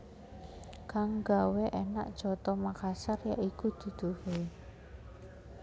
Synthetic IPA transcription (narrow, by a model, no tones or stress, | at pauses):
kaŋɡaweʔɛna̰ʔd̥ʒ̥ɔ̤t̪ɔmakasarjaʔikud̪̥ṳd̪̥ṳhe